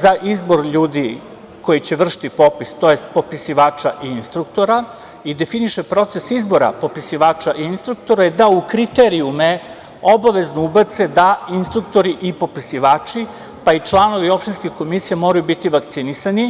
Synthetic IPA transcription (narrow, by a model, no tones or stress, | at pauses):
zaʔizbo̞ɾʎuːd̪i | ko̞jit͡ɕe̞ʋr̩ʃi̥t̪ipo̞pist̪o̞jest̪̚po̞pisiʋaːt͡ʃaʔiinst̪ɾukt̪o̞ɾa | id̪e̞finiʃepɾo̞t̪se̞sizbo̞ɾa̰po̞pisiʋaːt͡ʃaʔiinst̪ɾukt̪o̞ɾaid̪aukɾit̪eɾiume | o̞baʋe̞znoubat̪se̞d̪ainst̪ɾuk̚t̪o̞ɾiʔipo̞pisiʋaːt͡ʃi | pait͡ʃlano̞ʋio̞pʃt̪inskʲiko̞misijemo̞ɾajubit̪iʋakt̪sinisani